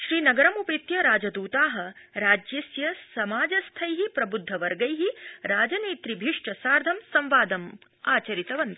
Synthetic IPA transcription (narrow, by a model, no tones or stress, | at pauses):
ʃɾiːnɐɡɐɾɐmupet̪jɐɾaːd͡ʒɐd̪uːt̪aːɦɐ̆ɾaːd͡ʒjɐsjɐsɐmaːd͡ʒɐst̪ʰɐjɦipɾɐbud̪ʱːɐʋɐɾɡɐjɦiɾaːd͡ʒɐneːt̪ɾibʱiʂʈɐsaːɾd̪ʱɐmsɐ̃mʋaːd̪ɐm | aːt͡ʃɐɾit̪ɐʋɐnt̪i̥